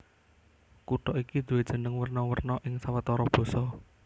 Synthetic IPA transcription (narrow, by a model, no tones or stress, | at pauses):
kuʈɔʔiki̥d̪̥ṳwed̥ʒ̥ə̤nəŋwərnɔwərnɔʔɪŋsawət̪ɔɾɔb̥ɔ̤sɔ